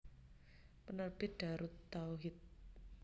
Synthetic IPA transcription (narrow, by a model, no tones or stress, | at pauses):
pənərb̥iɖ̥aɾut̪ːauɦɪt̪̚